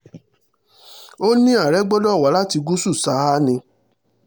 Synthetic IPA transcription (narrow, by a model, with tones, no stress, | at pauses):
o˦nĩ˦a˦˨ɾɛ˨˦ɡ͡bɔ˦dɔ˦˨wa˨˦la˦ti˧ɡu˦su˦˨sa˨˦a˦nĩ˧